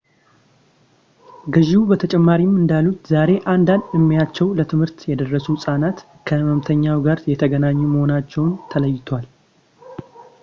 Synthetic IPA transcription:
ɡɨʒiubət̪ʰət͡ʃʼɛmːaɾimːɨnd̪alːut̪zaɾe̞ʔand̪and̪ɨmːijat͡ʃːɛwlət̪ʰɨmhɨɾt̪jɛd̪ərːəsusʼanat̪ | kʰəməmt̪ʰəɲːawɡaɾjɛt̪ʰəɡənaɲːuməho̞nat͡ʃːɛwnt̪ʰələjːɪt̪ʰwal

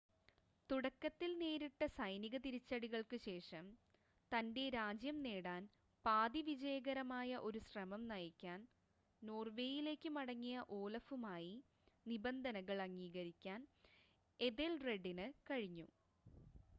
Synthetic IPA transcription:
t̪uɽɐkːɐt̪ːilneːɾiʈːɐsɐjniɣɐt̪iɾit͡ɕːɐɽiɣɐɭkɨɕe̞ːʂɐm | t̪ɐnde̞ɾaːd͡ʑjɐmneːɽaːn | paːd̪iʋid͡ʑɐjɐɡɐɾɐmaːjɐʔo̞ɾusrɐmɐmnɐjɐkʲːaːn | no̞ːrʋe̞ːjile̞ːkʲːɨmɐɽɐŋːijɐʔo̞ːlɐfumaːji | nibɐnd̪ʱɐnɐɣɐɭɐŋːiːɣɐɾikʲːaːn | e̞ðelre̞ɖːinɨkɐɻiɲːṵ

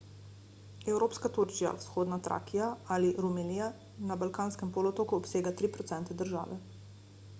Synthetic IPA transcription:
ɛwɾoːpskat̪uɾt͡ʃija̰wsxoːd̪nat̪ɾʔa̰ːkijaaliɾumɛlija | nabalkaːnskɛmpoːloɔt̪oːkuɔpseːɡat̪ɾipɾɔt̪sɛnt̪ɛd̪əɾʒa̰ːʋɛ̰

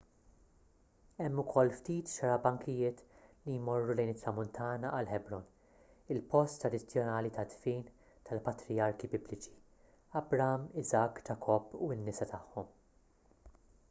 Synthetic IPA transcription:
ɛmːʊkʰɔlːft̪iːt̪ʃɐɾɐbɐŋkɪjɪːt̪lijmɔrːulɛjnɪt̪ːɾɐmʊnt̪ʰɐːnɐʔɐlħɛbɾɔn | ɪlpɔst̪ːɾɐd̪ɪt͡sːjɔnɐːlit̪ɐd̪fiːn | t̪ɐlpɐt̪ɾɪjɐɾkibɪblɪt͡ʃi̥ | ɐbɾɐmɪzɐkːd͡ʒɐkʰɔpːuɪnːɪsɐt̪ɐħːɔm

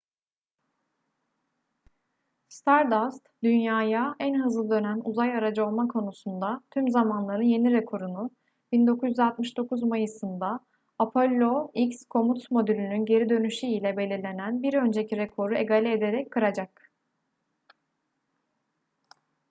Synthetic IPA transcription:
st̪ʰaɾd̪ast̪d̪ynjaːjaʔænɦɯzlˠɯd̪ø̞nænuzajaɾad͡ʒɯo̞lˠmakʰo̞nusund̪at̪ʰymzamanlˠaɾɯnje̞niɾɛkʰo̞ɾunu | b̥ind̪o̞kʰuzjyzalt̪mɯʃd̪o̞kʰuzmajɯsɯnd̪aː | pʰo̞lʲːo̞icskʰo̞mut̪smo̞d̪ylʲynynɟe̞ɾid̪ø̞nyʃyilʲɛbe̞lʲiɾlʲe̞nænbiɾø̞nd͡ʒe̞cʰiɾekʰo̞ɾue̞ɡalʲɛed̪e̞ɾɛc̚kʰːɯɾad͡ʒak

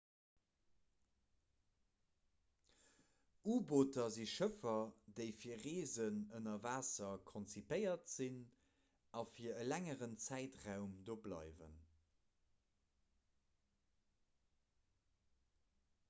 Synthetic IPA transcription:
uːbotɐziʃəfɐdəɪfiːɐʁeːzənənɐvaːsɐkʰɔnt͡sipəɪɐtz̥in | ɑfiːɐəlæŋəʁənt͡sæɪtʁaʊmdoːblɑ̰ɪvə̰n

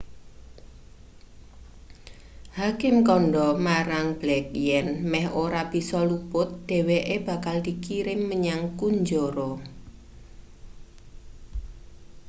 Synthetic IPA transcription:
hakɪmkɔɳɖɔmaɾaŋb̥lɛk̚jɛnmɛhʔoɾab̥i̤sɔlubʊt̪̚d̪̥e̤weʔeb̥ä̤kald̪ikiɾɪŋːəɲaŋkuɲd͡ʒoɾɔ

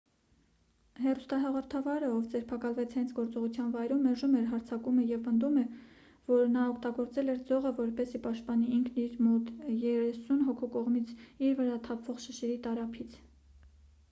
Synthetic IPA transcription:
hɛrust̪ɑɦɑʁɔɾt̪ʰɑvɑɾəɔvd͡zɛɾpʰɑkɑlvɛt͡sʰhɛnt͡sʰɡɔɾt͡sɔʁut͡sʰjɑnvɑjɾumːɛɾʒumɛɾɦɑɾt͡sʰɑkumɛjɛvpənd̪umɛ | vɔɾnɑɔkʰt̪ɑɡɔɾt͡sɛlɛɾd͡zɔʁəvɔɾpɛsipɑʃt̪̚pɑniiŋkʰniɾmɔt̪jɛɾɛsunɦɔkʰukɔʁmit͡sʰiɾvəɾɑt̪ʰɑpʰv̥ɔʁʃəʃɛɾit̪ɑɾɑpʰit͡sʰ

